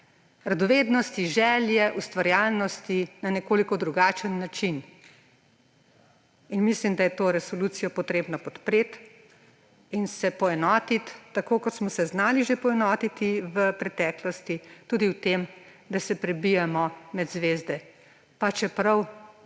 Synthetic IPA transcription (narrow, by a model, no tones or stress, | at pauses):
ɾad̪ɔʋeːd̪nɔst̪iʒɛːljɛʔust̪ʋaɾjaːlnɔst̪inanɛkoːlikɔd̪ɾuɡaːt͡ʃənːat͡ʃin | inmislimd̪ajɛt̪oːɾɛsɔlut̪sijɔpɔt̪ɾeːbnɔpɔt̪pɾeːt̪ | insɛpɔɛnɔːt̪it̪ːakoːkɔt̪smɔsɛznaːliʒepɔɛnɔːt̪it̪iʋəpɾɛt̪ɛːklɔst̪it̪uːd̪iwt̪em | d̪asɛpɾɛbijamɔmɛd̪zʋeːzd̪ɛ | pat͡ʃɛpɾɐw